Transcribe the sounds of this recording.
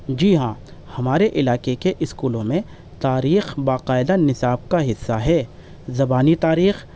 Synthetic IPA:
d͡ʒiːɦãː | hɐmaːɾeʔɪlaːqekeʔɪskuːlõmẽ | t̪aːɾiːxbaːqaːɪd̪anɪsaːb̚kaɦɪsːaɦɛː | zɐbaːnit̪aːɾiːx

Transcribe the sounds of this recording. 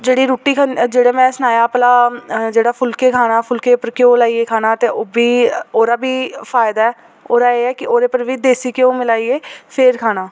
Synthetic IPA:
d͡ʒeːɽiːɾuːʈiːkʰad͡ʒeːɽeːmɛ̃ːsnaːjaːplaːd͡ʒeːɽaːpʰʊlkeːkʰaːnaːpʰʊlkeːpəɾkeoːlaːieːkʰaːnaːt̪eːobʱiːoːɾaːbʱiːfʰaːɪd̪aːɛː | oːɾaːeːɛːkɪoːɾeːpəɾʋʱiːd̪eːsiːkeõːmɪlaːiːeːpʰeːɾkʰaːnaː

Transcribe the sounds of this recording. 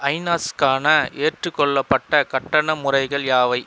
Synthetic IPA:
ɐɪnaːskaːnɐʔeːʈrɯkːɔɭːɐpːɐʈːɐkɐʈːɐɳɐmʊrɐɪɣɐɭjaːʋɐɪ

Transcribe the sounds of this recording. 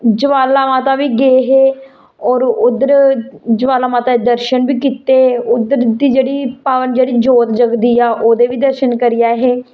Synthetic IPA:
d͡ʒəʋaːlaːmãːt̪aːʋiːɡeːɦeː | ɔːɾʊd̪əɾd͡ʒəʋaːlaːmaːt̪aːed̪əɾʃənbiːkit̪eːʊd̪əɾd̪iːd͡ʒeːɽiːpaːʋənd͡ʒeːɽiːd͡ʒoːt̪d͡ʒəɡd̪iːaːʔoːd̪eːʋiːd̪əɾʃənkəɾɪjaːɦeː

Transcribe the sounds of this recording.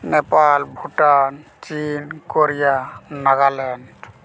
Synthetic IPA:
nepalbʱuʈan | t͡ʃinkoɾijanaɡalɛnɖ

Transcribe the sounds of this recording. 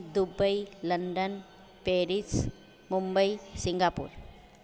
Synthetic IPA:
d̪ʊbɐɪlɐɳɖɐn | peːɾis | mʊmbɐɪsɪŋɡaːpːṵːɾ

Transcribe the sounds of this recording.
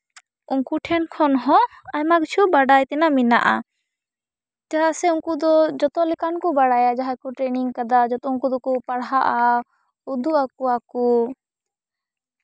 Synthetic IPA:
uŋkuʈʰɛnkʰɔnɦɔ̃ | ajmakt͡ʃʰubaɽajt̪ɛnamina̰ʔa̰ | taɦasɛuŋkud̪ɔd͡ʒɔt̪ɔlɛkankɔbaɽajad͡ʒaɦakuʈɾeniŋkad̪ad͡ʒɔt̪ɔuŋkud̪ɔkupaɽɦaʔa | ud̪uakuaku

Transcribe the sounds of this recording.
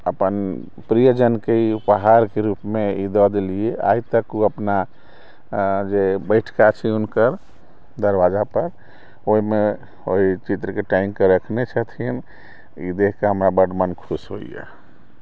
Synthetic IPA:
əpən | pɾijəd͡ʒənkeipəɦaɾkeɾupmeid̪ɔd̪eliea̰jt̪əkuəpna | d͡ʒebəɪʈʰkat͡ʃʰiunkəɾ | d̪əɾʋad͡ʒapəɾ | oɦime | oɦit͡ʃit̪ɾəkeʈaimkeɾəkʰnet͡ʃʰət̪ʰin | ḭd̪ekʰkeɦəmɾabəɖmənkʰusɦo̰ijḛ

